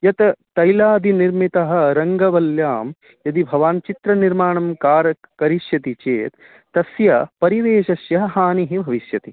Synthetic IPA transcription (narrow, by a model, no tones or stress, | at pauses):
jɐt̪ɐt̪ɐjlaːd̪iniɾmit̪ɐɦɐ̆ɾɐŋɡɐʋɐljaːm | jɐd̪ibʱɐʋaːnt͡ʃit̪ɾɐniɾmaːɳɐmkaːɾɐkkɐɾiʃjɐt̪it͡ʃeːt̪ː | ɐsjɐpɐɾiʋeːʃɐsjɐɦɐɦaːniɦibʱɐʋiʃjɐt̪i